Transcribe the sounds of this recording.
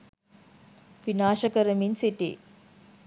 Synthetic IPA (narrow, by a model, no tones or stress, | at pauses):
ʋinaːʃɐkɐɾɐminsiʈḭ